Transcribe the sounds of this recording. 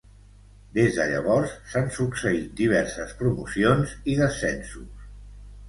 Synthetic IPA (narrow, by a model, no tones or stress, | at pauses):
d̪ezðəʎə̰β̞ɔɾsːansuksəit̪̚d̪iβ̞ɛɾsəspɾumusionziðəsɛnsus